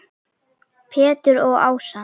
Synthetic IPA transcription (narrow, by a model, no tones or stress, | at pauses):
pʰɛːt̪ʏɾɔɣa̰ːwsa